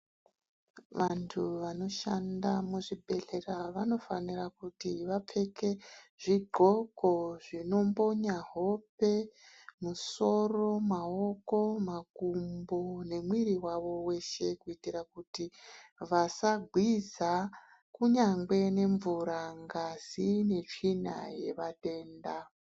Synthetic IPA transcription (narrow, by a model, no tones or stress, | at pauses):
ʋantʰuʋano̞ʃandamuʐibʱe̞ɬe̞raʋano̞fanirakutiʋap͡fe̞ke̞ʐ̥iɡ͡ǃʱo̞koʐino̞mbo̞ɲaɦo̞pe̞ | muso̞ro̞mao̞ko̞makumbone̞mwiɾiwaʋo̞we̞ʃe̞kuitirakutiʋasaɡʱwiza | kuɲaŋɡwe̞ne̞ɱvuɾaŋɡasine̞t͡ʂina̰je̞ʋate̞ːnda